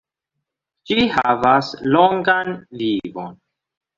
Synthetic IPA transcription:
d͡ʒihavasloŋɡanlivon

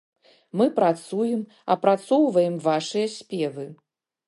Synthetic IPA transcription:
mɨpɾat̪sujɛm | ɐ̰pɾat̪sɔwvɐjɛmvaʂɨjɐsʲpʲɛvɨ

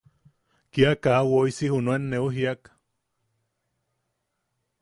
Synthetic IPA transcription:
kiakawoisihunuenːeuɦiak

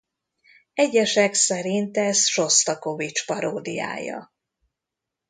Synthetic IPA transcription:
ɛɟɛʃɛksɛɾint̪ɛsʃo̞st̪ɒko̞vit͡ʃpɒɾoːd̪ija̰ːjɒ̰

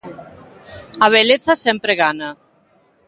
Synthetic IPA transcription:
ɐβ̞eleθɐsɛmpɾeɣana

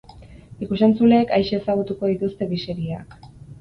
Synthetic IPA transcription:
ikusent͡sule̞ːkajʃe̞ːsaɣ̞ut̪uko̞ðit̪ust̪e̞βise̞ɾia̰k

